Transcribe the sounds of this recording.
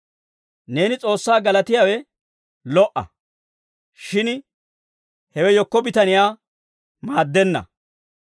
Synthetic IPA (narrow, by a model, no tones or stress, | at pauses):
ne̞ːnɪt͡sʼo̞ːsːaːɡɐlɐt̪ɪjawɛ | lɔʔɐ̰ | ʃɪn | hɛwɛjɔkːɔbɪt̪ɐnɪjaː | maːd̪ːɛnːɐ̰